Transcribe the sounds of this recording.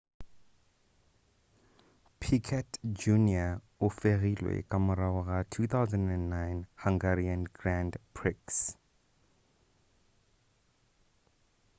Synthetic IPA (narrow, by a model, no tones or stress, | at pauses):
pʰikʰɛtd͡ʒunia | ʊfeɣilwḛkʼamʊɾaʊɣatʰuθawzãndɛ̃nːaɪnhaŋɡariãnɡrãndpʰrɪks